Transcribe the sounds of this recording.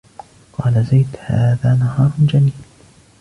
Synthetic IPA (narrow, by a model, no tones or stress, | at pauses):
qɑːlazajt̪ha̰ːðaːnaɦɑːɾˤd͡ʒamiːl